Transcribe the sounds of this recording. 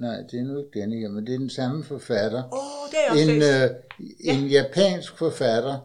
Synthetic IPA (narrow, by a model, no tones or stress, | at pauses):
nɑ̈ɪ̰d̥e̝ænoe̝ɡ̥̚d̥enəheɐmend̥e̝æɐd̥ensɑ̈məfɒfæd̥ɐ | e̝n | e̝njæpʰɛ̰ːnsɡ̥fɒfæd̥ɐ